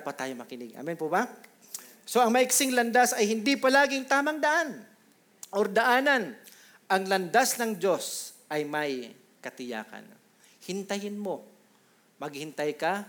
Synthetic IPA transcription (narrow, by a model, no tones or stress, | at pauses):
ɐpɐt̪aːjomɐkɪnɪɡ̚ʔa̰ːmɪnpoba | so̞ʔɐŋmɐʔɪksɪŋlɐnd̪asɐjhɪnd̪ɪpɐlaːɡɪŋt̪aːmɐŋd̪ɐʔan | ʔoɾd̪ɐʔaːnɐn | ʔɐŋlɐnd̪asnɐŋd͡ʒo̞sʔɐjmɐj | kɐt̪ɪja̰ːkɐ̰n | hɪnt̪ɐjɪnmo̞ | mɐɡ̚hɪnt̪ajka